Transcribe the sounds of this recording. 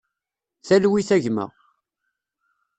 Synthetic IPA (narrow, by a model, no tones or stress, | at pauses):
θælwiθæʝmæ̰ʁ